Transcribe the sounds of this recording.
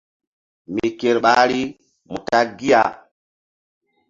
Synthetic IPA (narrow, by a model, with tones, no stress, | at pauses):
mi˨ke˨ɾɓa˦ɾi˦ | mu˨ta˦ɡi˦a̰˨